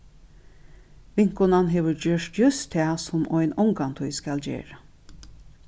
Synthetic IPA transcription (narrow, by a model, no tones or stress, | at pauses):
ʋɪŋ̥kʊnanɦeːʋəɹd͡ʒøʂʈjʏst̪ʰːæːsʊmʔɔjnɔŋkant̪ʰʊjskald͡ʒḛːɹə